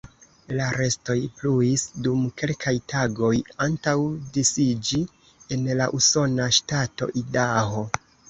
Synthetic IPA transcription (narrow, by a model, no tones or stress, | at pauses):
laɾe̞sto̞jpluisdumke̞lkʰajtʰaɡo̞jantawdisid͡ʒi | e̞nlaʔuso̞naʃtato̞̰ʔidaɦo̞